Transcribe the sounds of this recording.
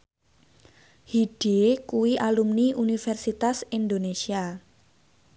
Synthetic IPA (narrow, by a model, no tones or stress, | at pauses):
hiɖ̥ekuwiʔalumniʔunifɛrsit̪asind̪onesia